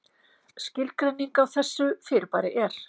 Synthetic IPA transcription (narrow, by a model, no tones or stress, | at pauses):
scɪlkɾɛjnːiŋkawθɛsːʏfɪɾpaːɾɪʔɛɾ̥